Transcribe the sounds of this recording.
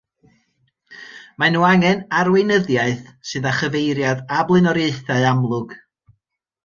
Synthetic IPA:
manuːaŋɛnaɾwejnəðjaɨθsɨðaχəvejɾjadablˠɨnɔɾjeɨθaɨamlˠʊɡ̥

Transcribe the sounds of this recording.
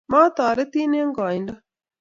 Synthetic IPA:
maːt̪aːɾet̪iːneɐŋɡaːinɖɐ

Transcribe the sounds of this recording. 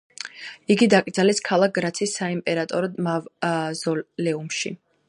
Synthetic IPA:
iɡid̪akʼd̪zalɛskʰalˠak̚ɡɾat̪sʰiːsːaimpʼɛɾat̪ʼɔɾɔd̪mavzɔlɛumʃḭ

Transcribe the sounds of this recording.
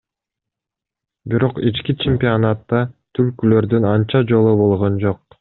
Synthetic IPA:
biɾo̞qit͡ʃkit͡ʃʰemʲpʲionat̪ːɑt̪ʰylkylø̞ɾd̪ynɑnt͡ʃɑd͡ʒo̞lˠubo̞lˠʁond͡ʒo̞q̚

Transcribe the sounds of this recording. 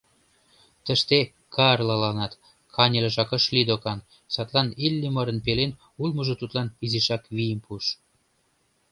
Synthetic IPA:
t̪ə̆ʃt̪e | kɑrlɑlɑnɑt̪ | kʰɑnʲelĕʒɑkə̆ʃlid̪okɑn | sɑt̪lɑnilʲːimɤɾə̆npelen | ulməʒɤ̆t̪ut̪lɑniziʃɑkβijəmpuʃ

